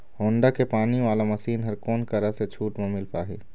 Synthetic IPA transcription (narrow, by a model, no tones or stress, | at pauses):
hoːɳɖakepaːniʋaːlamɐsiːnɦɐɾkoːnkɐɾɐset͡ʃʰuːʈmẽmɪlpaːɦiː